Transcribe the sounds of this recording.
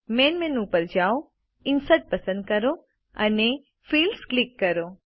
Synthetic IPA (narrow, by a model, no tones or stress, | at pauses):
menmenupəɾd͡ʒaw | ɪnsəʈ̚pəsə̃nd̪̚kəɾo | ə̰ne | fiːlsklɪkːəɾo